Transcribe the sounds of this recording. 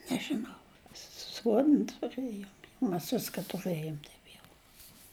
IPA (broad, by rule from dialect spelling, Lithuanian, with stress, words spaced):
nʲɛʒʲɪˈnɐʊ ˈsuɔdn tʊˈrɘjoːm mʲɛs ˈʋʲɪskɐ tʊˈrɘjoːm ˈtɐɪp jɛʊ